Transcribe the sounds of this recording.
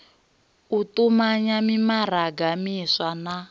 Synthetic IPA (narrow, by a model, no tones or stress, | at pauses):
utumaɲamimaraɡamiswana